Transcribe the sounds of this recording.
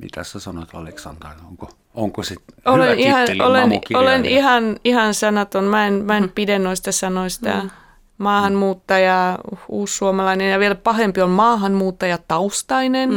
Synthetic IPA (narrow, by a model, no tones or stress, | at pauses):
mḭt̪æ̰ssæsɑnoet̪ɑ̰leksɑnd̪ɑrioŋko | oŋkosit̪olenihɑnʔolenkolenihɑnihɑnsɑnɑt̪onmæenmæenpidenːoist̪ɑsɑnoisʲt̪ɑ̰ | mɑːhɑnmuːt̪ːɑjɑuːsːuomɑlɑinenjɑʋielpɑhempiolmɑːhɑnmuːt̪ːɑjɑt̪ɑust̪ɑinen